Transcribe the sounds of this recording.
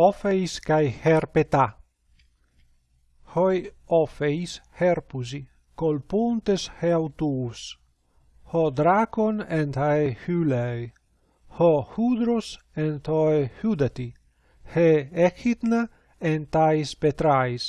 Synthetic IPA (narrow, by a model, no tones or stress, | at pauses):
ɔfejskajheɾpet̪a | hojɔfejsheɾpuzi | kolpunt̪esheawt̪us | hɔd̪ɾakonent̪aehylej | hɔhud̪ɾos | ent̪oehud̪at̪i | heekit̪na | ent̪ajspet̪ɾajs